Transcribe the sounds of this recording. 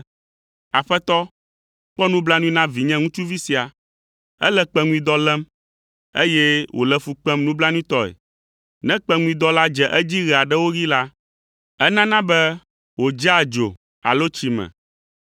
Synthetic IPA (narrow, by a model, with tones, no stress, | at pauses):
a˨ɸɛ˦t̪ɔ˦ | k͡pɔ˦nũ˦bla˦nũ˦ĩ˦nã˦vi˨ɲɛ̃˦ŋũ˦t͡ʃu˦vi˦si˨a˨ | ɛ̰˦lɛ˦k͡pɛ˦ŋũ˦ĩ˦d̪ɔ˦lɛ˦m | e˦jɛ˦wʔo̰˨lɛ˦fu˨k͡pɛ˦mnũ˦bla˦nũ˦ĩ˦t̪ɔ˦ɛ̰˨ | nɛ̃˦k͡pɛ˦ŋũ˦ĩ˦d̪ɔ˦la˦d͡ʒɛ˨ʔɛ˦d͡ʑi˦ɣɛ˨a˨ɖɛ˦wo˦ɣi˦la˦ | ɛ˦nã˦nã˦bɛ˦ | wo˨d͡ʒa˦a˨d͡ʒo̰˨ | a̰˨lo˦t͡ɕi˦mɛ̰̃˨